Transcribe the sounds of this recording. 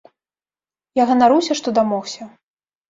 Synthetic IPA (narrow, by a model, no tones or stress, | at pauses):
jaɣɐnaɾɨwsʲɐʂt̪ɔd̪amɔxsʲɐ